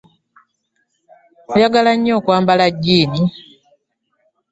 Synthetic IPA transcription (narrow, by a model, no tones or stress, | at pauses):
ujaɡalaɲːoːkwaːmbalaɟːiːni